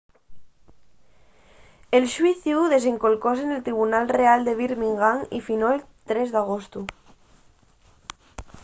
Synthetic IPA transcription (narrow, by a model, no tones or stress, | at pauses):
elʃwiθiuðes̬eŋkolkos̬enelt̪ɾiβ̞unalreald̪eβ̞iɾmiŋɡaŋḭfinoel | t̪ɾezðaɣ̞ost̪u